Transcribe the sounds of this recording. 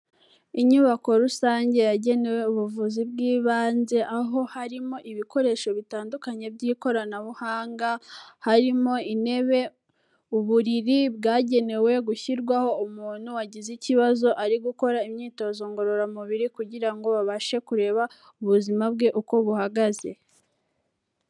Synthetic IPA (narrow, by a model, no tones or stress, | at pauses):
iɲuβako̞ɾusaːɲɟe̞jaɟe̞ne̞we̞uβuvuzibɡiːβaːnze̞ʔaɦo̞haɾimo̞ʔiβiko̞ɾe̞ːʃo̞βitaːndukaɲe̞bɟiːko̞ɾanaβuhaːŋɡahaɾimo̞ine̞βe̞ | uβuɾiɾibɡaːɟe̞ne̞we̞ɡuçiɾɡwaho̞umuːn̥huwaɟiziciβazo̞ʔaɾiɡuko̞ɾaimɲiːto̞zo̞ŋɡo̞ɾo̞ɾamuβiɾikuɟiɾaŋɡo̞βaβaʃe̞kuɾe̞ːβa | uβuzimab̚ɡe̞ʔuko̞βuhaɡaze̞